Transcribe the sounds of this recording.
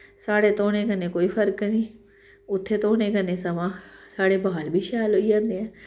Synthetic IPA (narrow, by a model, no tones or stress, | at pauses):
saːɽeːt̪oːɽ̃ẽːkəneːkoːiːpʰəɾknĩː | ʊt̪ʰːeːt̪oːɽ̃ẽːkəneːsəʋãːsaːɽeːbaːlbʱiːʃɛːlɦoːid͡ʒãːnd̪eːɛ̃ː